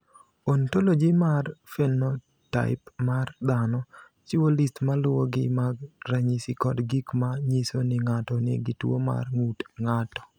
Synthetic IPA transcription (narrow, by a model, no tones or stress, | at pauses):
ontolod͡ʒimarfɛnɔ | ta̰ɪpmard̪anɔ | t͡ʃɪwolistmalʊwoɡɪmaɡraɲisikɔdɡikmaɲisonɪŋatɔnɪ̰ɡɪtwo̰ma̰rŋutŋatɔ̥